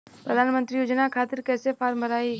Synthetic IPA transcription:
pɾəd̪ʱaːnmə̃nt̪ɾijoːd͡ʒnakʰaːt̪ɪɾkɛːsefʰaːɾmbəɾaːi

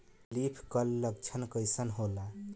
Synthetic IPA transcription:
lipʰkəlːəɡ̚t͡ʃʰənkəjsənɦola

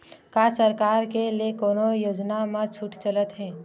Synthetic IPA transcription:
kaːsəɾkaːɾkeliekoːnojoːd͡ʒnamə̃t͡ʃʰuʈʰt͡ʃələt̪ɦɛ̃ː

